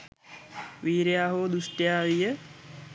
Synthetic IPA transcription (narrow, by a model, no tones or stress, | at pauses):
ʋiːɾjaːɦoːd̪usʈjaːʋijə